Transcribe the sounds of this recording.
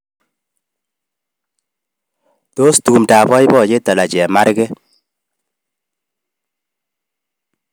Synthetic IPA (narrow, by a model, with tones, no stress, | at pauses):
to˦stu˨mta˨bɔ˦jbɔ˦˨t͡ʃe˦ta˨la˨t͡ʃɛ˨ma˦ɾɡɛ˦